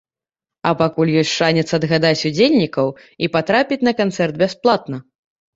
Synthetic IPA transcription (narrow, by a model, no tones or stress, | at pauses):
ɐpakulʲjɔsʲʂanʲɛt̪sɐːd̪ɣad̪at͡sʲud͡zʲelʲnʲikɐw | ipat̪ɾapʲit͡sʲnɐkant̪sɛrd̪bʲasplˠat̪̚nɐ